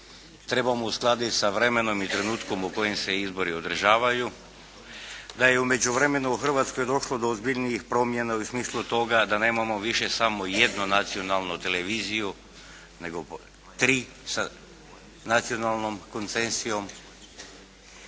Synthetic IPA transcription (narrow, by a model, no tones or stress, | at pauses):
t̪ɾe̞bamousklˠad̪isaʋɾeme̞no̞mit̪ɾe̞nuːt̪ko̞muko̞jemseizbo̞ɾio̞d̪ɾʒaːʋaju | d̪ajeume̞d͡ʒuʋɾe̞me̞nuuxr̩ʋat̪skojed̪o̞ʃlod̪oːzbiʎniixpɾo̞mje̞nausmiːslˠut̪o̞ɡad̪ane̞ːmamo̞ʋiʃesamojed̪nunat̪sio̞nalˠnut̪e̞leʋiːziju | ne̞ɡo | t̪ɾiː | sa | nat̪sio̞nalno̞mko̞nt̪sensio̞m